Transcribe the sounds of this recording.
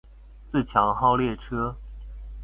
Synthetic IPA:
t͡sɹ̩˥˩t͡ɕʰjɑ˧˥ŋxɑ˥˧ʊljɛ˥˩ʈ͡ʂʰɤ˥

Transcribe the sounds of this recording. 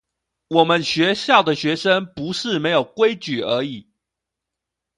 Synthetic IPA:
wɔ˨˩mə˦nɕɥɛ˨˧˥ɕjɑ˥˩ʊd̪ə˩ɕɥɛ˧˥ʂə˦ŋpu˧˥ʂɻ̩˥˨me˧˥ɪjo˨˩ʊkwe˥ɪt͡ɕy˨˩ə˧˥i˨˩˦

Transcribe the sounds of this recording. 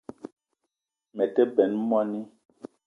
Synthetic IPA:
mɛ˨kɛ˦bɛ˨˦n˦mɔ˦ni˦

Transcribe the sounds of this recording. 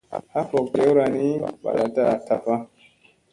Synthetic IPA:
ha˦fɔ˨kɡe˨˦wɾa˨ni˦ba̰˨la˨ta˦a˨ta˨pa˦

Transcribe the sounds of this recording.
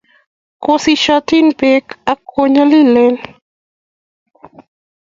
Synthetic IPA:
kosi˦ʃati˦npe˦ka˦ko˦ɲa˦li˦lɛ˦n

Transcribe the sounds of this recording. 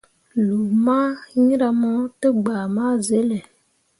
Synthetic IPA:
lu˨ma˦ɲĩ˦ɾa˧mɔ˦tə˦ɡ͡baː˨ma˦ze˨˦le˨

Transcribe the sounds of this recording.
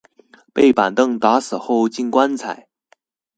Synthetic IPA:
pe˥˩ɪpa˨˩nt̪ɤ˥˧˩ŋt̪a˧˥sɹ̩˨˩xo˥˧ʊt͡ɕi˥˩nkwa˥nt͡sʰa˨˩˦ɪ

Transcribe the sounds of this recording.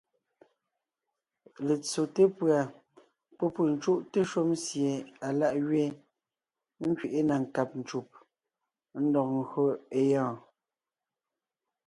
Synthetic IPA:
le˨t͡so˨te˦pɰa˨ | pɔ˦pu˨n̩˨˦t͡ʃu˦ʔte˦ʃo˦msje˨a˨la˦ʔɣɥe˦ | ŋ̩˦kɥi˨ʔe˦na˨ŋ̩˨ka˨p̚n̩˨t͡ʃu˨p̚ | n̩˦dɔ˨k̚ŋ˨˦ɣɰo˦e˦jɔ̃ː˦˨

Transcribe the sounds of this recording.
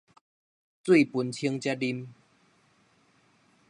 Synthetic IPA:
t͡swi˥˨pu˨˩nt͡ɕʰi˦əŋt͡ɕja˦t̚li˧m

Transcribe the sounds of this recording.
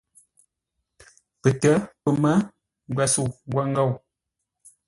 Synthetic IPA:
pə˨tə˨˦pə˨mə˦ | ŋ˨ɡwɛ˨su˦˨ŋ˨ɡwa˦ŋ˦ɡə˦˨w

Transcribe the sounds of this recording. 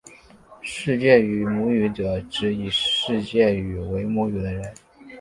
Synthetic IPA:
ʂɻ̩˥˧t͡ɕjɛ˥˩y˨˩mu˧˥y˧˥ʈ͡ʂɤ˨˩ʈ͡ʂɻ̩˧˥i˨˩ʂɻ̩˥˧t͡ɕjɛ˥˩y˨˩we˧˥ɪmu˧˥y˨˩d̪ə˦ɻə˧˥n

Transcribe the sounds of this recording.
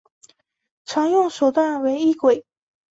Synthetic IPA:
ʈ͡ʂʰɑ˧˥ŋjʊ˥˩˨ŋʂo˨˩ʊt̪wa˥˩nwe˧˥ɪi˥˩kwe˨˩ɪ

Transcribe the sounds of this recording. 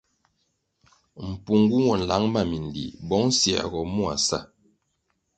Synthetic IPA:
m̩˨pu˨ŋɡu˦wɔ˨n̩˨la˨˦ŋma˦˨mi˨n˨dḭ˨bɔ˨˦ŋ̩˦sja̰˨ɡɔ˨mu˦a̰˨sa̰˦˨

